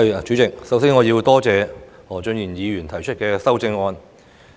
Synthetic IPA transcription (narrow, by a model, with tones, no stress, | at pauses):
jt͡ʃyː˨˥t͡sɪ˨k̚sɐ˨˥wsɪ˥ŋɔː˨˧jiː˧wt̪ɔː˥t͡sɛː˨˧ | ɔː˨˩t͡ʃɵ˧njiː˨˩njiː˨˧jyː˨˩nt̪ʰɐ˨˩jt͡ʃʰɵ˥t̚kɛː˧sɐ˥wt͡sɪ˧ŋɔː˧n